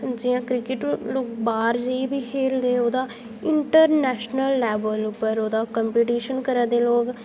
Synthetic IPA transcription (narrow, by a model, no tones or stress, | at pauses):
d͡ʒiːãːkɾɪkɪʈloːk̚baːɾd͡ʒəibiːkʰeːld̪eːoːd̪aː | ɪɳʈəɾnɛːʃnəlːɛːbəlʊpːəɾoːd̪aːkəmpiːʈiːʃənkəɾaːd̪eːloːk